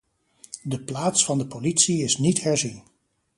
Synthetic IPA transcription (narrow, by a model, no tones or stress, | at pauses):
dəplaːtsfɑndəpolitsiɪsnitɦɛɹzin